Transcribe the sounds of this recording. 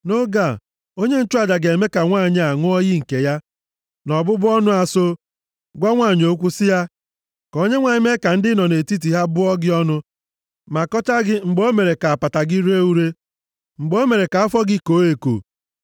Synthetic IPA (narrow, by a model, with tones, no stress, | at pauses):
no˦ɡa˨ | o˦ɲe˦n̩˦t͡ʃʊ˦a˨d͡ʒa˨ɡe˨me˦ka˨ŋʷa˦˨ɲ˦a˨ŋʊ˦ɔ˦ji˦ŋ̩˨ke˨ja˦ | nɔ˨bʊ˦bʊ˦ɔ˦nʊ˦a˨so˦ | ɡʷa˦ŋʷa˦˨ɲ˨o˨˦kʷu˦sɪ˦ja˦ | kɔ˨˦ɲe˦ŋʷa˨ɲɪ˦me˦ka˨n̩˦dɪ˦nɔ˨ne˨ti˦t̬i˨ɦa˦bʊ˦ɔ˦ɡɪ˦ɔ˦nʊ˦ | ma˨kɔ˦t͡ʃa˦ɡɪ˦ŋ͡m̩˨ɡ͡bo˦me˨ɾe˨ka˨a˨pa˨ta˨ɡɪ˦ɾe˦u˦ɾe˦ | ŋ͡m̩˨ɡ͡bo˦o˦me˨ɾe˨ka˨a˦fɔ˦ɡɪ˦ko˨˦e˨ko̰˨